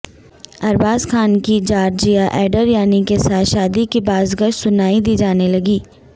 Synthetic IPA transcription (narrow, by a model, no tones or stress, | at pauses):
ɐɾbaːzkʰaːnkid͡ʒaːɾd͡ʒijaʔɛːɖəɾjaːnikesaːʃaːd̪ikibaːzɡəʃsʊnaːid̪iːd͡ʒaːnelɐɡiː